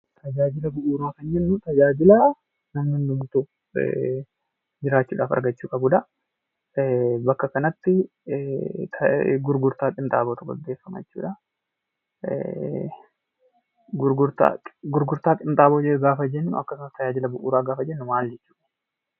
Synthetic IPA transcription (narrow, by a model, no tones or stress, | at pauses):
t̪ʰɐd͡ʒaːd͡ʒɪlɐbʊʔuːɾaːkɐnd͡ʒɛnːʊt̪ɐd͡ʒaːd͡ʒɪlɐ | nɐmnɪnd̪ʊmʊt̪ṵ | d͡ʒɪɾaːt͡ʃːuːᶑaːfɐ̰ɾɡɐt͡ʃːuːkʼɐbuːᶑɐ | bɐkːɐkɐnɐt̪ːɪ | t̪ʰɡʊɾɡʊɾt̪aːt̪ʼɪnt̪ʼa̰ːboːt̪ʊɡɔ̰d̪ːe̞ːfːɐmɐ̰t͡ʃːṵːᶑɐ | ɡʊɾɡʊɾt̪a̰ɡʊɾɡʊɾt̪aːt̪ʼɪnt̪ʼaːboːd͡ʒɛɡaːfɐd͡ʒɛnːʊ̰ɐkːɐsɐnɐst̪ʰːɐd͡ʒaːd͡ʒɪlɐbʊʔṵːɾaːɡaːfɐd͡ʒɛnːʊmaːld͡ʒɛt͡ʃːuːᶑɐ̥